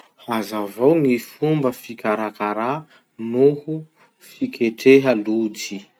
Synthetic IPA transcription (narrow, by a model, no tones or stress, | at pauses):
hazavownifumbəfikʲaɾakaɾa | nuhu | fikʰeʈ͡ʂeɦəlud͡ʒi